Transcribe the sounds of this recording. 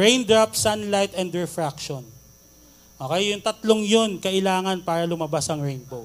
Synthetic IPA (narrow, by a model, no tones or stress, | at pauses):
ɹẽjnd̪ɹap̚sanlajt̪ɛnd̪ɹɛfɾakʃon | ʔo̞ːkɛjːʊŋt̪ɐt̪loŋjo̞nkɐʔɪlaːŋɐnpaːɾɐlʊmɐbasʔɐŋɹejnbow